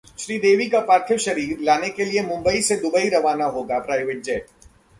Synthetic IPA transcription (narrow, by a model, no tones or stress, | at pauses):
ʃɾiːd̪eːʋikapaːɾt̪ʰɪʋʃɐɾiːɾlaːnekeliemʊ̃mbəised̪ʊbəiɾɐʋaːnaɦoːɡapɾaːɪʋɪʈ̚d͡ʒɛːʈ